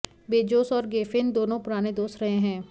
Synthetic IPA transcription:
beːd͡ʒoːsɔːɾɡeːfɪnd̪oːnõpʊɾaːned̪oːsɾɐɦẽɦɛ̃ː

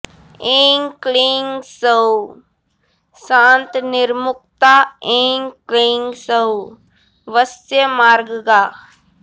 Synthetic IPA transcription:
ẽːŋkliːŋɡsəu | sãːnt̪nɪɾmʊk̚t̪aẽːŋkliːŋɡsəw | ʋəsjəmaːɾɡɡaː

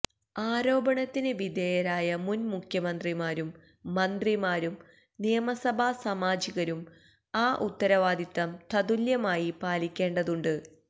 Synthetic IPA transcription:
aːɾo̞ːbɐɳɐt̪ːinɨʋid̪eːjɐɾaːjɐmunmukʰjɐmɐnd̪rimaːɾumː | ɐnd̪rimaːɾum | nijɐmɐsɐbʱaːsɐmaːd͡ʑiɣɐɾum | aːʔut̪ːɐɾɐʋaːd̪it̪ːɐmt̪ʰɐd̪uljɐmaːjipaːlikʲːe̞ːɳɖɐðuɳɖɨ

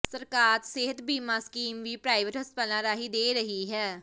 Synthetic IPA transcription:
səɾkaːɾseːɦət̪biːmãːskiːmʋiːpɾaːɪʋəʈɦəspəlãːɾaːɦid̪eːɾəɦiɦɛː

